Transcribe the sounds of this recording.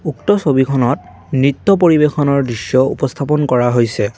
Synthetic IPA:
uktɔsobikʰɔnɔt | nɹitːɔp̬oɹibexɔnɔɹdɹisːɔṵpɔst̪ʰapɔnkɔɹaɦojsɛ

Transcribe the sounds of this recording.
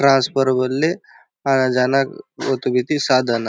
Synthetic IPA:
ʈɾãnspəɾbəlːe | anad͡ʒanakot̪ubit̪isad̪ʱəna

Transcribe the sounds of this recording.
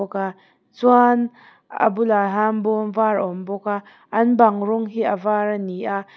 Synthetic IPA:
ɔka | t͡suan | a̰bulaɦambɔmvarɔmbɔka | ʔɐnbaŋrɔŋɦiʔavaraniʔaʔ

